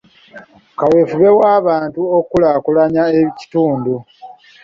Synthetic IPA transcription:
kawe̞ːfuβe̞waːβaːntuokulaːkulaɲaeβici̥tuːndu

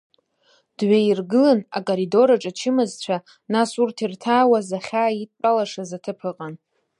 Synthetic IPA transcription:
d̥ɥairɡɨlana̰kʼoɾido̞ɾaʈ͡ʂʼat͡ʃʰɪmɨzt͡ɕʷʰa | nasurtʰirtʰaːwazaχʲaːitʼpʼalaʂazatʰɨpʰɨqʼan

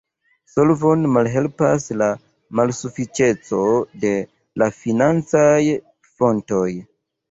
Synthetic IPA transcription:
so̞lvo̞nmalɦe̞lpasla | malsufit͡ʃe̞t͡sode̞ | lafinant͡saj | fo̞nto̞j

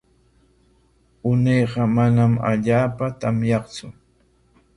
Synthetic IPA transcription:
ʊnejɢɑmanama̰ʎaːpat̪amjɑχt͡sʊ

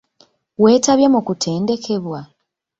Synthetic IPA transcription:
we̞ːtaβjamukutʰe̞ːnde̞kʰe̞βwa

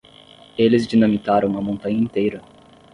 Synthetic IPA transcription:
elɪzd͡ʒinɐ̃mikaɾɐ̃w̃ɐmõnt̪ɐ̃ɲɐĩt̪ejɾɐ

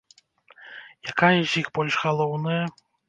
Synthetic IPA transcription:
jakajɐzʲixbɔlʲʂɣalˠɔwnɐjɐ

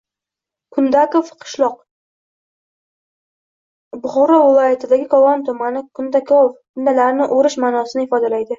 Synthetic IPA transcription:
kʰʊnd̪akofqʰɨ̥ʃlˠɒq | bʊχɒɾɒvɪlˠɒjat̪ʰɪd̪aɡʲɪkʰɒlɒnt̪ʰʊmanɪkʰʊnd̪akʰofkʰʊnd̪alaɾnɪʔoɾɪʃmaːnɒsɪnɪɪfɒd̪alajd̪ɪ

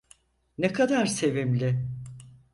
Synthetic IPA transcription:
nɛkʰad̪aɾse̞vimlʲɪ

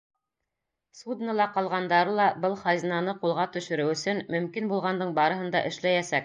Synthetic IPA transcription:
sud̪nəlˠɑqɑlˠʁɑnd̪ɑɾɤlˠɑbɤlˠχɑjznɑnɤqulˠʁɑt̪ɵ̆ʃɵ̆ɾɘwɵ̆sɵnmɵ̆mkinbulˠʁɑnd̪ɤɴbɑɾɤ̆ɦɤ̆nd̪ɑʔɘ̆ʃlæjæsæk̚

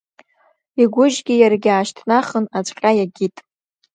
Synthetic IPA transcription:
iɡʷʊʒɡʲijarɡʲaːʃtʰnaχənat͡ʃʷʼqʲʼajaɡʲitʼ

